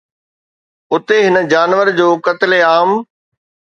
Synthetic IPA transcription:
ʊt̪eɦɪnə̆d͡ʑaːnʋəɾd͡ʑoːkɐt̪ɪleaːm

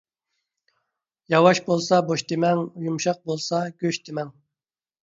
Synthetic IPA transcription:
jɑwɑʃbolˠsɑboʃt̪ʰemɛŋjumʃɑq̚bolˠsɑɡʲøʃt̪ʰemɛŋ

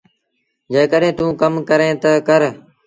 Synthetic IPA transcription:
d͡ʒeːkəɗẽːt̪ũːkəmkəɾẽːt̪əkəɾ

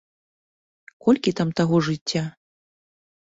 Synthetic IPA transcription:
kɔlʲkʲit̪amt̪aɣɔʐɨt͡sʲːa

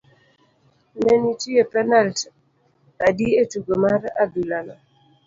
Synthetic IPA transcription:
menitiepɛnalt | adietuɡomaɾa̰dulanɔ

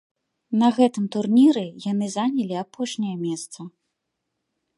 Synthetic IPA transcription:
nɐɣɛt̪ɨmt̪urnʲiɾɨjanɨzanʲɐlʲiapɔʂnʲɐjɐmʲɛst̪sɐ

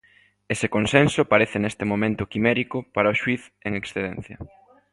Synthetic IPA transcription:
esekonsensʊpaɾeθɪnest̪emomẽnt̪ʊkimeɾikʊpaɾaoʃwiθeŋeksθeðɛ̃n̟θjɐ̰

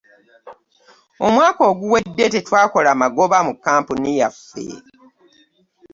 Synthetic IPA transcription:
o̞mwaːkoːɡuwe̞dːe̞tetwaːko̞lamaɡo̞βamukːaːmpunijafḛ

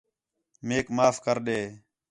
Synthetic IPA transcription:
meːkmaːfkəɾɗeː

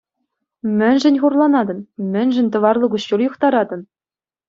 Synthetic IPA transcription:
mʲɘ̆nʲʐɘ̆nʲχurlˠɑnɑd̪ɤ̆nmʲɘ̆nʲʒɘ̆nʲt̪ɤ̆ʋɑrlˠɤ̆ɡuɕːurjuχt̪ɑɾɑd̪ɤ̆n

